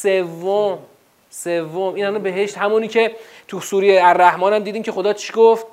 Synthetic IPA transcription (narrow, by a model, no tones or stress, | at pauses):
sevːom | sevːomiːnhælɑnbe̞ɦe̞ʃt̪hæmuːniːcʰe̞ | t̪ʰusuːɾejeæɾːæhmɒːnæmd̪iːd̪imcʰexo̞d̪ɒːt͡ʃʰiɡoft̪̚